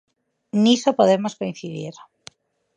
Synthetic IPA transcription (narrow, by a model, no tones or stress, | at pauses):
nisopoðemoskoĩn̟θiðiɾ